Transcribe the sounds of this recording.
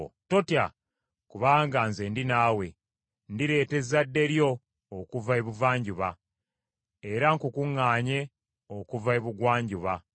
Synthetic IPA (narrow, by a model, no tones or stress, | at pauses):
to̞tja | kuβaːŋɡaːnze̞ndinaːwe̞ | ndiɾe̞ːte̞zadːe̞ɾjo̞ː | kuvaeβuvaːɲɟuβa | e̞ɾaŋkukuŋːaːɲe̞ | okuvaeβuɡwaːɲɟuβa